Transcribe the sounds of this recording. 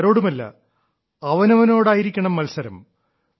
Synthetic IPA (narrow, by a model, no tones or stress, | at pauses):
ɾo̞ːɽumɐlːɐ̰ | ɐʋɐnɐʋɐno̞ːɽaːjiɾikʲːɐɳɐmːɐlsɐɾɐ̰m